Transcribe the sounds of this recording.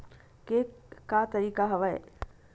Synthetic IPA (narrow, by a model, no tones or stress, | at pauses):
kekat̪ɐɾiːkaɦɐʋə̰